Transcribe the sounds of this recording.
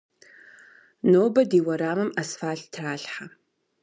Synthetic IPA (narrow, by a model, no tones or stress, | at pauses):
noːbɐdiːwɐɾaːmɨmɐsfaːɬtʰraːɬħa